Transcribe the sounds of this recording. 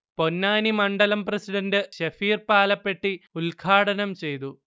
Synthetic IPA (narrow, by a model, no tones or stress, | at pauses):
po̞nːaːnimɐɳɖɐlɐmprɐsiɽɐndɨɕɐfiːrpaːlɐpːe̞ʈːiulɡʰʱaːʈɐnɐmt͡ɕe̞jt̪u